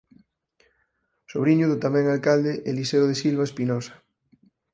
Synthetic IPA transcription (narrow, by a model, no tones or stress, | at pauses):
soβ̞ɾiɲuðʊt̪amɛ̃ŋalkald̪eʔeliseoðesilβ̞aespinɔsḁ